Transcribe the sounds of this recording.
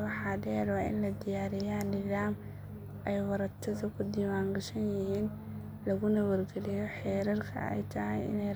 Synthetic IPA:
wɑħɑd̪ɛːɾwɑːɪ̰nlɐd̪ɪjaːɾɪjanɪðaːm | ʔɛjwɑɾɐt̪ʰɐðɐkʰʊd̪iːwaːŋɡɐʃɐnjɪhiːn | lɐɣʊnɐwɐrɡɐlɪjɔħɛːɾɐrkʰɐ̰ɛ̰jt̪ʰɐɦɛjɪ̰nɛj

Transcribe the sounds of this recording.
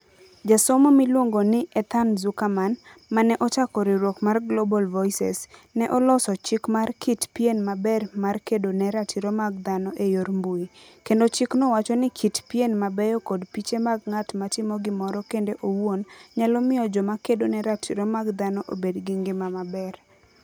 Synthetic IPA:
d͡ʒasɔmɔmilwoŋɡonɪʔɛt̪anzukamanmanɛʔɔt͡ʃakɔɾiɾwokmarɡlobɔlvɔisɛ̰snɛʔɔlɔsɔt͡ʃɪkmarkʰitpijenmabɛrmarkedonɛɾatʰiɾomaɡ̚d̪anɔʔejoɾmbuikendot͡ʃɪknɔwat͡ʃɔnɪkʰitpjenmabɛjɔkɔdpit͡ʃemaɡ̚ŋatmatɪmɔɡɪmɔɾɔkendeʔowwonɲalɔmɪjɔd͡ʒɔmakedonɛɾatʰiɾɔmaɡd̪anɔʔobedɡɪŋɡɪmamabɛr

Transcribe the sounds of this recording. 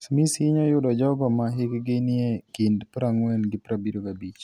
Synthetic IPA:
smisɪɲɔjʊdɔd͡ʒɔɡɔmaɦɪkɡɪnɪekɪndpɾaŋwɛnɡɪpɾabiɾokabit͡ʃ

